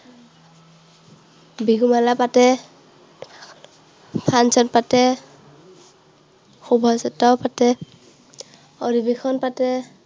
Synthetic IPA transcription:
biɡumalapatɛ | pʰansɔnpatɛ | xubʱɔsɛtɔpatɛ | ɔdibexʰɔnpatɛ

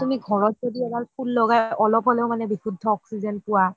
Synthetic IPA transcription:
tumiɡʱɔɹɔt̚zodiɛbaɹpʰulːɔɡajʔɔlɔpɔlɛʊmanɛbibʰudʱːɔɔksizɔnpʊwa

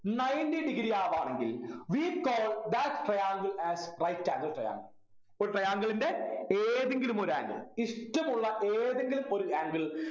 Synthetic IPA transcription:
nɐjndiɖiɡɾijaːʋaːɳeŋɡilʋikoːld̪atʈrɐjaːŋɡɐlæːsrɐjtːaːŋɡɐlʈrɐ̰ja̰ːŋɡɐɭ | oɾuʈrɐjaːŋɡɐɭindeeːðeŋɡilumoɾa̰ːŋɡɐ̰ɭiʂʈːɐmuɭːɐʔeːðeŋɡilumo̞ɾuaːŋɡɐɭ

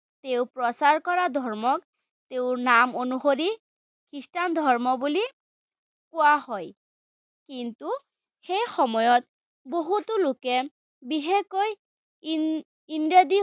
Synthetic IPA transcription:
teʊpɹɔsaɹkɔɹadʱɔɹmɔk | teʊnamonuxoɹi | kʰɹistand̪ʱɔɹmɔbuli | kʊwaɦɔj | kintu | xejxɔmɔjɔt | boɦutʊlʊkɛ | biɦekoj | indadi

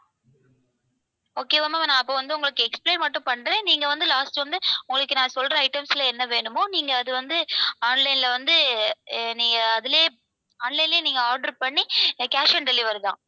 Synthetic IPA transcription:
oːkeːʋɐmamɐnãːɐpːoːʋɐnd̪ɯʊŋɡɐɭɯkːɯɛkspleːnmɐʈːɯ̃pɐɳːɾẽːniːŋɡɐʋɐnd̪ɯlaːsʈʋɐnd̪ɯʊŋɡɐɭɯkːɯnãːsɔlɾɐɐɪʈɐmsɪlɐɛnːɐʋeːɳɯmoːniːŋɡɐːðɯʋɐnd̪ɯaːnlɐɪnlɐʋɐnd̪ɯ | niːŋɡɐːðɪleː | aːnlɐɪnleːniːŋɡɐaːɾɖɐɾpɐɳːikaːʂɐnɖɛlɪʋɐɾðã̰ː

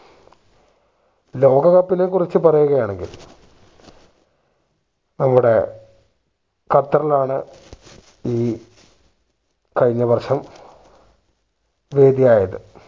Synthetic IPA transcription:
lo̞ːɡɐɣɐpːinekurit͡ɕːɨpɐrɐjuɣɐjaːɳe̞ŋɡḭl | nɐmːuɽe̞ | kɐt̪ːɐrilaːɳɨ | iː | kɐɻiɲːɐʋɐrɕɐm | ʋe̞ːd̪ijaːjɐðɨ̰

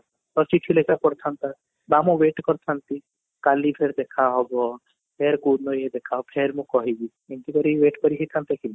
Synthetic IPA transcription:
t̪ɔt͡ʃiʈʰilekapɔɾt̪ʰant̪a | bamɔ̃ʋeʈkɔɾt̪ʰant̪i | kalipʰeɾd̪ekʰaɦɔbɔ | pʰeɾkunɔjed̪ekʰaɦɔpʰeɾmũkɔɦibi | ent̪ikɔɾiʋeʈkɔɾiɦit̪ʰant̪akin

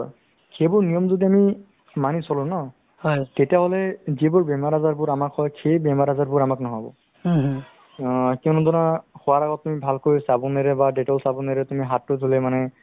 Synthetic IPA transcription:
kʰebʊɹnijɔmzodiami | manisɔlʊ̃nɔ | hɔjtetiaɦɔlɛzibʊɹbɛmaɹazaɹbʊɹamakhɔjkʰejbɛmaɹazabʊɹamaknɔɦɔbɔ̰ | kiɔnɔdʱɔnaxɔwaɹaɡɔtːumibʱalkojsabɔneɹɛbadetɔlsabɔneɹɛtumiɦatːʊdʱulɛmanɛ

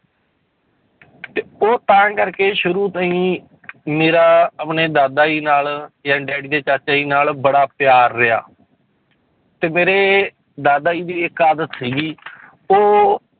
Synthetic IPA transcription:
t̪eːoːt̪ãːkəɾkeːʃʊɾuːt̪əĩː | meːɾaːəpɳeːd̪aːd̪aːiːnaːljãːɖɛːɽiːd̪eːt͡ʃaːt͡ʃaːiːnaːlbəɽaːpɪjaːɾːɪa̰ː | t̪eːmeːɾeː | d̪aːd̪aːiːd̪iːɪkaːd̪ət̪siːɡiː | oː

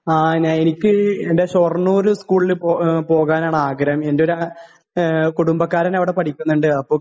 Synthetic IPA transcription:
aːɲaːnenikʲːɨendeɕornːuoɾuskuːɭilpopo̞ːɣaːnaːɳaːɡɾɐme̞ndeo̞ɾa | kuɽumbɐkːaːɾɐnɐʋiɽe̞pɐʈʰikʲːunːuɳɖɨɐpːoː

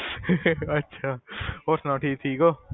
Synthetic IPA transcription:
ətːʃʰaːoːɾsnãːʈʰiːk̚t̪ʰiːkoː

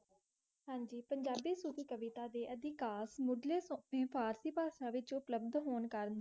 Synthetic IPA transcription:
ɦãːɲd͡ʒiːpəɲd͡ʒaːbiːsukiːkəʋɪt̪aːd̪eːʔəd̪ɪkaːsmʊɖleːsopẽːpʰaːɾsiːpaːʃãːʋɪt͡ʃʊpləb̚d̪ɦoːnkəɾnd̪a

